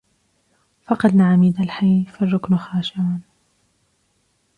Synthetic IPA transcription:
fɑqɑd̪naʕamiːd̪alħajfarˤːʊknxaːʃaʔan

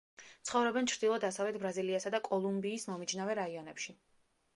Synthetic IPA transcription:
t̪sʰχɔvɾɛbɛnt͡ʃʰɾd̪ilˠɔd̪asavlɛt̪̚ʰbɾaziliasad̪akʼɔlˠumbiːsmɔmid͡ʒnavɛɾaiɔnɛpʃi

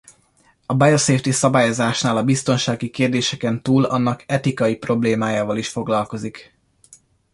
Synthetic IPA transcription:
ɒbajoseːft̪isɒbaːjo̞zaːʃnaːlɒbist̪o̞nʃaːɡikeːrd̪eːʃɛkɛnt̪uːlɒnːɒkɛt̪ikɒjipro̞bleːmaːjaːvɒliʃfo̞ɡlɒlko̞zik

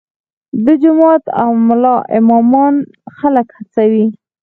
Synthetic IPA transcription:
d̪ɪd͡ʒʊmɑt̪a̰mʊlɑʔɪmɑmɑn | xaləkhat͡sawi

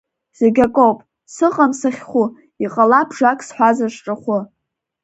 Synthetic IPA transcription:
z̥eɡʲakʼowpʼ | sɨqʼamsaχʲχʷu | iqʼalabʰʐakʼsħʷazaʂʷʈ͡ʂʼɨχʷʊ

